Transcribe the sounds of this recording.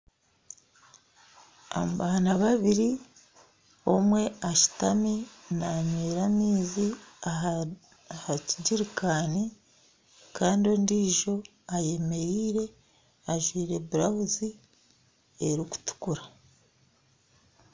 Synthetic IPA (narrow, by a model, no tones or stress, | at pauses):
a̰mbaːnaβaβiɾi | o̞mwe̞aʃi̥taminaɲweːɾamiːzia | haciɟiɾikaːni | kaːndio̞ndiːʒo̞ | ajeme̞ɾiːɾe̞ | aʒwiːɾe̞buɾawuzi | eɾiku̥tu̥kuɾa